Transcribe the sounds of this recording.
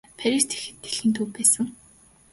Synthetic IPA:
pʰæɾʲist̪ʰe̥xɘ̆t̪ɡe̥ɮxiːnt̪ʰuːwpæːsə̆ŋ

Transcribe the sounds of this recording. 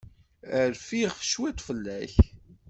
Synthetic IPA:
əɾfiʁʃwit̪ˤfəlːæç

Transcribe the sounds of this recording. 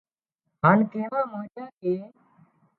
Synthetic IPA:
ɦaːnkẽːɳãːmãːd͡ʒãːkeː

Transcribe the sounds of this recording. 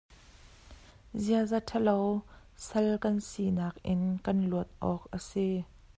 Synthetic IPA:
ziəzatʰəlow | sɐlkɐnsinaːk̚ʔɪnkɐnluət̪̚ʔɔːk̚ʔəsi

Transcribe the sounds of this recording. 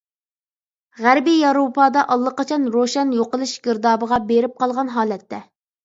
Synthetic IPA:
ʁæɾbijɑɾopʰɑd̪ɑʔɑlˠːəqɑt͡ʃʰɑnɾoʃɛnjoqəlˠɨʃɡʲɪɾd̪ɑːbəʁɑbeɾɪp̚qɑlˠʁɑnɦɑːlɛt̪ːɛ

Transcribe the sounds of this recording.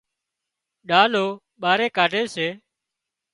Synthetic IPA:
ɗaːloː | ɓaːɾeːkaːɖʱeːseː

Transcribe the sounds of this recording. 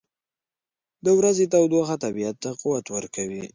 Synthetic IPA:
d̪əwɾazet̪awd̪waxat̪abijat̪ːaquwat̪wəɾkʰawḭ

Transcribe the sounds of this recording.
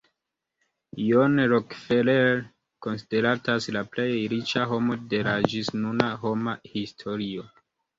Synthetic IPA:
jonɾokfeleɾ | ko̞nside̞ɾataslaple̞jɾit͡ʃaɦo̞mo̞de̞lad͡ʒisnunaɦo̞mahistʰo̞ɾio

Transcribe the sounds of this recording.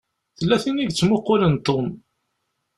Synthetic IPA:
θəlːæθiniɡt͡sːmʊqːʊlənt̪ːom

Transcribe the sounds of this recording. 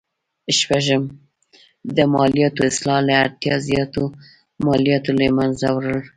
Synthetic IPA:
ʃpaʒəm | d̪əmɑlijɑt̪oɪslɑlaat̪jɑzjɑt̪o | mɑlijɑt̪olamanzawɾəl

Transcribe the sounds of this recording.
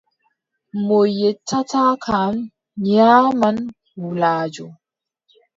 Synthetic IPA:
mojetʰːatakʰam | aːman | wulaːd͡ʒo

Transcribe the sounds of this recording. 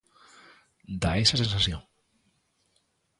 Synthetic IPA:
d̪aesasensasjoŋ

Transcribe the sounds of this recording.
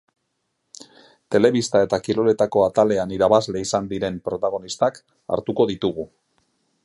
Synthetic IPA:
t̪e̞le̞βist̪ae̞t̪akilo̞le̞t̪ako̞at̪ale̞aniɾaβazle̞isand̪iɾe̞mpɾo̞t̪aɣ̞o̞nist̪ak | a̰ɾt̪uko̞ðit̪uɣ̞u

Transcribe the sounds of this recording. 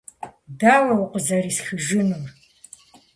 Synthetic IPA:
daːwɐwʊqʷəzɐriːsxɨʒɪnɨm

